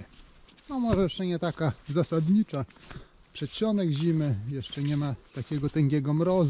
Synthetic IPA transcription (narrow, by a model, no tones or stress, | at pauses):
nɔmɔʐɛjɛʂt͡ʂɛɲɛt̪akazasad̪ɲit͡ʂa | pʂɛt͡ɕɔnɛɡʑimɘjɛʂt͡ʂɛɲɛmat̪akʲɛɡɔt̪ɛŋɡʲɛɡɔmɾɔz